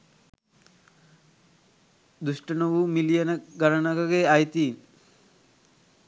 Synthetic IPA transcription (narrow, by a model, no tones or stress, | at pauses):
d̪usʈənoʋumilijənəɡaɾənaɡaɡeajt̪iːn